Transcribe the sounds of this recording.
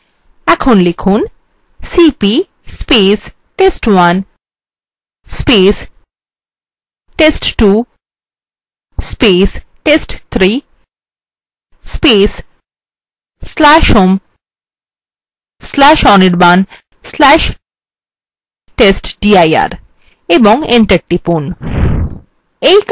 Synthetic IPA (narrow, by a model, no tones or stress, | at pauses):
ɛkʰonlikʰun | sipi | speːs | ʈesʈwan | spes | ʈesʈʈu | speːsʈesʈt̪ʰɾi | spes | slaʃum | slaʃɔniɖban | slæʃ | ʈesʈɖiaja̰ɾ | ebɔ̃ŋẽɳʈəɾ̚ʈipun | ek